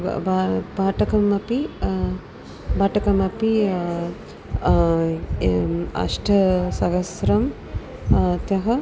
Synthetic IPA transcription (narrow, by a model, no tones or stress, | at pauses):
babaːʈɐkɐmɐpi | baːʈɐkɐmɐpi | ɐ̰ʂʈʰɐsɐɡɐsɾɐm | t̪jɐɦɐ